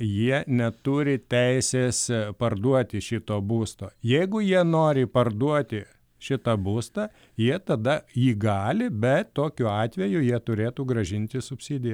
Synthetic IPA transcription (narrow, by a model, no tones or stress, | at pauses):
jiɛnʲɛt̪uːɾʲɪt̪ʲɛɪsʲeːspɐrd̪uɔt̪ʲɪʃʲɪt̪oːbuːst̪oːjɛɪɡʊjiɛnoːɾʲɪpɐrd̪uɔt̪ʲɪ | ʃʲɪt̪ɐbuːst̪ɑː | jiɛt̪ɐd̪ɐjiːɡɑːlʲɪbʲɛt̪t̪oːkʲʊɑːt̪ʲʋʲɛjʊjiɛt̪ʊɾʲeːt̪uːɡɾɐʒʲɪnʲt̪ʲɪsʊpʲsʲiːd̪ʲɪjɛ